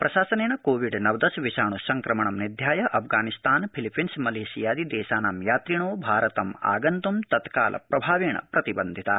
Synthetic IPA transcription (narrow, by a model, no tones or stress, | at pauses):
pɾɐʃaːsɐneːɳɐkoːʋiɖnɐʋd̪ɐsʋiʃaːɳusɐŋkɾɐmɐɳɐmnid̪ʱjaːjɐʔɐpʰɡaːnist̪aːnpʰilipʰːinsmɐleːsijaːd̪id̪ɛːʃaːnaːmjaːt̪ɾiɳoːbʱaːɾɐt̪ɐma̰ːɡɐnt̪umt̪ɐt̪ka̰ːlʔɐ̰pɾɐbʱaːʋeːɳɐ̰pɾɐt̪ibɐnd̪ʱit̪ɐ